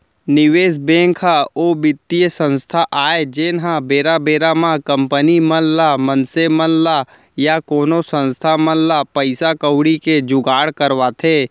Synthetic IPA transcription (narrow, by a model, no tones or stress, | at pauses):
nɪʋeːsbẽːŋkʰaoːbɪt̪ːijəsə̃nst̪ʰaʔaːed͡ʒeːnɦãbeːɾabeːɾamãkə̃mpənimənlamənsemənla | jakoːnosə̃nst̪ʰamənlapəɪsakəwɽiked͡ʒʊɡaːɽkəɾʋat̪ʰeː